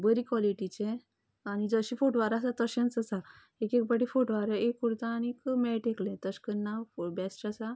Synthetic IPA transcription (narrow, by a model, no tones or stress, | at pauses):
bəɾikʋɔliʈit͡ɕe | añid͡zəɕifoʈʋaɾasat̪əɕãnt͡səsa | ekek̚bəʈifoʈʋaɾəekːuɾt̪aːnekmɛʈeklẽt̪əskənːabɛsʈasa